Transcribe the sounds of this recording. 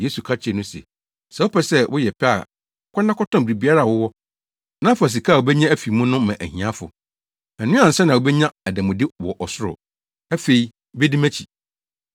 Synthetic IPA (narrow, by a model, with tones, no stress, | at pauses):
je˦su˨kʰa˦t͡ɕʰɪ˨nʊ̃˦sḛ˨ | sɛ˨ʊ˦pʰɛ˨sɛ˦wʔʊ˦jɛ˨pʰɛ˦a̰˨ | kʷʰa˦nːã˦kʰɔ˦tɔ̃˦m˨bɾi˨bi˨a˦ɾa˦˨wʊ˦wɔ˦ | nã˦fʊ˨æ˨s̬i˨kʰa˦˨wo˨bɛ˦ɲã˦æ˦fi˨mũ˦nʊ̃˦mã˨ʔæ̰˨hĩ˨ã˦fʊ̰˨ | æ˨nʊ̃˦ã˨n̩˨sɛ˦nã˨wo˨bɛ˦ɲã˦æ˨dæ̃˨mʊ̃˨dɪ˦wɔ˨ʔɔ˨sʊ˦ɾʊ̰˨ | æ˦fe˨i˨ | be˦dĩ˦mæ̃˦t͡ɕʰi˨